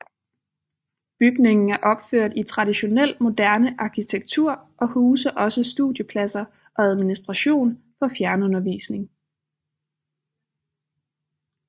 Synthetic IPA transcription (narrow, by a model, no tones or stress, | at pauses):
b̥yɡ̥ne̝ŋn̩æɐʔɒ̽b̥føɐ̰d̥it͡sʰʁɑ̈diɕo̝nel̰mo̝d̥æɐnəʔɑ̈kʰit͡sʰeɡ̥̚t͡sʰuɐ̰ʔɒ̽huːsɐʔɒ̽səsd̥uðˠjəpʰlæsɐ | ʔɒ̽æð̞ˠminisd̥ʁɑ̈ɕo̝̰ːn | fɒ̽fjæɐnəɔ̽nɐʋḭːsne̝ŋ